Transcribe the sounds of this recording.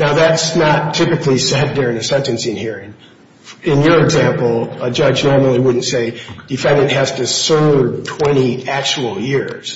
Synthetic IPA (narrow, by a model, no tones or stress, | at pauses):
naʊðætsnətʰɪpɨklisɛdʊɹɪ̃ŋɨsɛ̃ntɨ̃nsiɨ̃nhiɹɪ̃ŋ | ɪ̃njə˞ɨɡzæ̃mpl̩ˠəd͡ʒʌd͡ʒnɔɹml̩ˠiwʊdⁿn̩tseɪd̥ɨfɛ̃ndɨ̃nʔ̚ɦæz̥tɨsɜ˞tʰw̥ɛ̃ɾ̃iæk̚t͡ʃəwl̩ˠjɪɹz̥